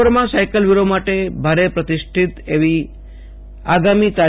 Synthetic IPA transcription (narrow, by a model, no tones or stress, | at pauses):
əɾmãsajkəlʋiɾomaʈebʱaɾepɾət̪iʃʈʰit̪eʋi | aɡamit̪a